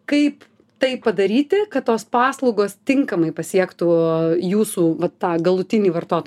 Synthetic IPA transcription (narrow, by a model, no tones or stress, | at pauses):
kɐɪp | t̪ɐɪpːɐd̪ɐɾʲiːt̪ʲɪkɐt̪t̪oːspɑːslˠɐʊɡoːst̪ʲɪŋkɐmɐɪpɐsʲiɛkt̪uːjuːsuːʋɐt̪ːɑːɡɐlˠʊt̪ʲɪnʲiːʋɐrt̪oːt̪o